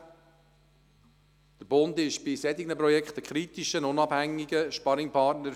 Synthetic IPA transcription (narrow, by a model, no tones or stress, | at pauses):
d̪̥əɾb̥ʊnd̪ɪʃb̥ɪsɛd̪iɡnəpɾɔjɛkχt̪əkʰχɾit̪iʃənʊnɑb̥hæŋːiɡəʃpɑɾɪŋpʰɑɾtnəɾ